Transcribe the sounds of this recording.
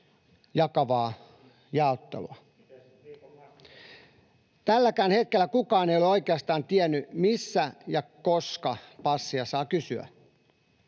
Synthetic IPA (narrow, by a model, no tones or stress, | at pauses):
jɑkɑʋɑː | jɑˑot̪ːḛlṵɑ | t̪ælːækæːnhet̪̚kelːækukɑːnejoleoikeɑst̪ɑːnt̪iɛnːymisːæjɑkoskɑpɑsːiɑsɑːkysyæ̰